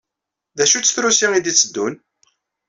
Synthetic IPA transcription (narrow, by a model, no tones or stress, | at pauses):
ðæʃut͡sːθɾusiŋid̪it͡sːəd̪ːun